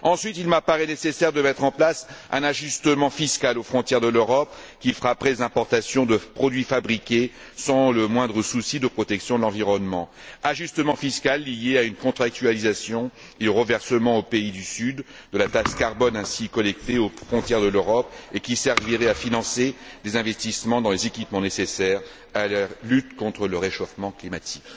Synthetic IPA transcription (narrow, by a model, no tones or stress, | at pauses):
ɑ̃sɥit̪ilmapaʁɛnesesɛʁd̪əmɛt̪χɑ̃plasʔɛ̰̃naʒyst̪əmɑ̃fiskʲalofχɔ̃t̪jɛʁd̪əløʁɔpkʲifəʁapχɛlezɛ̃pɔʁt̪asjɔ̃d̪əpχɔd̪ɥifabʁikʲe | sɑ̃ləmwɛ̃d̪ʁəsusid̪əpχɔt̪ɛksjɔ̃d̪əlɑ̃viʁɔnmɑ̰̃ | aʒyst̪əmɑ̃fiskʲalːijeaynkɔ̃t̪χak̚t̪ɥalizasjɔ̃ | eəʁəvɛʁsəmɑ̃opeid̪ysyd̪ | d̪əlat̪askaʁbɔnɛ̃sikɔlɛk̚t̪eofχɔ̃t̪jɛʁd̪əløʁɔpekʲisɛʁviʁɛafinɑ̃se | d̪ezɛ̃vɛst̪ismɑ̃d̪ɑ̃lezekʲipmɑ̃nesesɛʁ | alalyt̪kɔ̃t̪χələʁeʃɔfmɑ̃klimat̪ʰi̥k